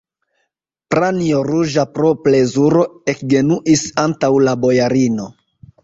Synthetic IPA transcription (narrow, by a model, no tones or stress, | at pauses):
pɾanioɾuʒapɾo̞ple̞zuɾo̞ekɡe̞nuʔisantawlabo̞jaɾino̞